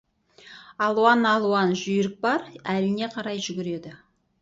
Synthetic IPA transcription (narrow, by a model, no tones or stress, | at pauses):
ɑlˠuɑnɑlˠuwɑnʒʏjɪɾɪk̚bɑɾælɪne̞qʰɑɾɑjʒʏɡʲɪɾe̞d̪ɪ